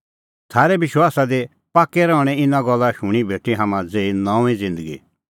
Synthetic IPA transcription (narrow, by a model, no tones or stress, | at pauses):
t̪ʰaːɾɛbɪʃwaːsad̪e | paːkːɛɾɔ̃ːʊɽ̃ɛ̃ɪnãɡɔlːaʃʊɽ̃ibʱeːʈiɦaːmãd͡zeːinɔ̃ĩd͡zɪ̃nd̪əɡḭ